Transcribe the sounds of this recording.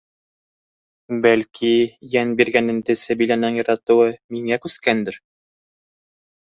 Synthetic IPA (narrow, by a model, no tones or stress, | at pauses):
bælkʰijænbiɾɡænɘ̆nt̪ɘsæbilænɤɴjɤ̆ɾɑt̪ŭwɤmiŋækʉskænd̪ɘɾ